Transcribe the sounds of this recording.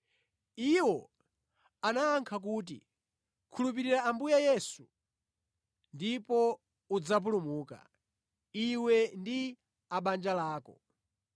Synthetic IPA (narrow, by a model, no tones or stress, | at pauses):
iwɔ | anaːŋkʰak̬uːt̬ḭ | kʰulup̬iɾiɾaːmbujajɛsu | ndipɔ | ud͡zap̬ulumuːka̰ | iwɛndi | aɓand͡ʒalaːkɔ